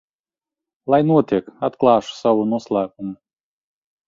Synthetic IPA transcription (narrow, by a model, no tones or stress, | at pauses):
lˠajnuɔt̪ʲiɛkat̪klˠɑːʃu̥sawunuɔslˠæːkumu